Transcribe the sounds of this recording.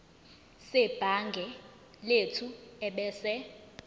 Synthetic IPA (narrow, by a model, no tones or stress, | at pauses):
sɛb̥ʱaŋɡʱɛ | letʰuɛɓɛːsɛ